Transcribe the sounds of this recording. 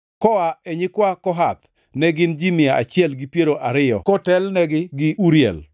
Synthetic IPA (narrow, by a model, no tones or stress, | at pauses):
kɔaɛɲɪkwakɔɦat̪ | nɛɡɪnd͡ʒimɪaʔa̰t͡ʃjɛlɡɪpjeɾoʔaɾɪjɔ̰kɔtɛlnɛɡɪɡɪʔuɾjɛ̰l